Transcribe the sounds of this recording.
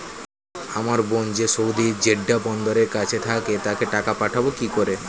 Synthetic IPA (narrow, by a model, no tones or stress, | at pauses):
amaɾbond͡ʑesowd̪iɾd͡ʑeɖːabɔnd̪oɾeɾkat͡ɕʰet̪ʰaket̪akeʈakapaʈʰabokikoɾe